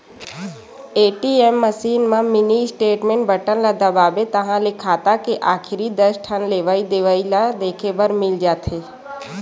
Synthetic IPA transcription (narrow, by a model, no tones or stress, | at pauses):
eːʈiemːəsiːnmãmɪnisʈeːʈmẽːɳʈ̚bəʈənlad̪abaːbet̪ɐɦãlekʰaːt̪akeʔaːkʰɪɾid̪əɾsʈʰənleːʋaːid̪eːʋaːilad̪eːkʰebəɾmɪld͡ʒaːt̪ʰeː